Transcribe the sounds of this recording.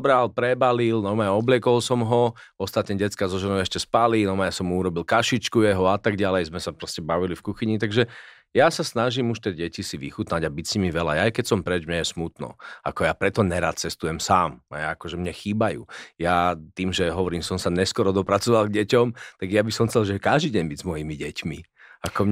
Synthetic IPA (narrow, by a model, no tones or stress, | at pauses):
bɾalpɾɛbalilnɔmajɔblɪɛkɔlsɔmɦɔɔst̪at̪ɲɛɟɛt͡skazɔʒɛnɔʊɛʃcɛspalinɔmajsɔmːuuɾɔbilkaʃit͡ʃkujɛɦɔat̪aɡɟalɛjzmɛsapɾɔscɛbaʋilifkuxiɲit̪aɡʒɛ | jasasnaʒimuʃt̪ɛɟɛcisiʋḭxut̪naɟabicsimiʋɛla̰jaːjkɛcsɔmpɾɛd͡ʒmɲɛjɛsmut̪nɔ̰a̰kɔjapɾɛt̪ɔɲɛɾa̰ːt̪̚t͡sɛst̪ujɛmsaːma̰jaːkɔʒɛmɲɛxiːbajṵːjat̪iːmʒɛɦɔʋɔɾiːmsɔmsaɲɛskɔɾɔd̪ɔpɾat͡sɔʋalˠɡɟɛcɔmt̪aɡjabisɔmxt͡sɛlʒɛkaʒd̪iɟɛɲbiɟzmɔjimiɟɛcmḭ | akɔm